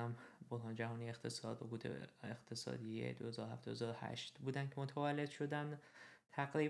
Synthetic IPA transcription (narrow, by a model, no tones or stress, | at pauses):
æmboɾɦɒːnd͡ʒæɦɒːnijext̪ʰe̞sɒːd̪boɡuːt̪ʰḛeχt̪ʰe̞sɒ̰ːd̪iḛd̪ohe̞zɒːd̪ohæfd̪ɒezɒːɾohæ̰ʃt̪buːd̪æncʰemot̪ʰævælːe̞d̪̥ʃo̞d̪ænd̪t̪ʰæɡɾiː